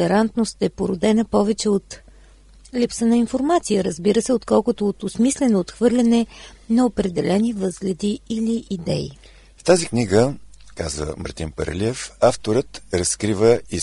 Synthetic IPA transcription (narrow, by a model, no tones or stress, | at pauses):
ɛɾant̪nost̪ɛpoɾʊd̪ɛnəpɔvɛt͡ʃɛot̪ | lipsənəinfoɾmat̪sijəɾəzbiɾəsɛot̪kɔlˠkʊt̪oːt̪osmislɛnoːt̪xvɤɾlʲɐnɛnɐopɾɛd̪ɛlɛnivɤzɡlʲɛd̪iiliʔid̪ɛḭ | ft̪azikniɡəkazə̰mɐ̰ɾt̪inpə̰ɾ̰liɛfaft̪oɾət̪ɾəskɾivəi